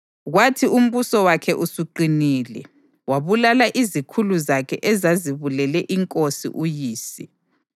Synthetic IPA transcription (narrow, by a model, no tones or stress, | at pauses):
ɣwatʰium̩βusɔwakʰɛʔusuǃiniːlɛ̰ | waβulalaʔizikʰuluzakʰɛʔɛzaziβulɛlɛʔiŋkʼosḭʔujiːsi